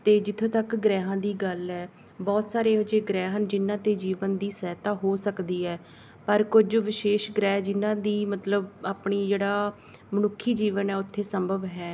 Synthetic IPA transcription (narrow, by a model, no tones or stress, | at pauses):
t̪eːd͡ʒɪt̪ʰːõːt̪əkɡɾɛːɦãːd̪iːɡəlɦɛː | bɔːt̪saːɾeːɦod͡ʒeːɡɾɛːɦənd͡ʒɪnːãːt̪eːd͡ʒiːʋənd̪iːsɛːt̪aːɦoːsəkd̪iːɛː | pəɾkʊd͡ʒʋɪʃeːʃɡɾɛːɦd͡ʒɪnãːd̪iːmət̪ləbaːpɳiːd͡ʒeːɽaː | mənʊkʰːiːd͡ʒiːʋənɛːʊt̪ʰːeːsəmbʱəʋɦɛː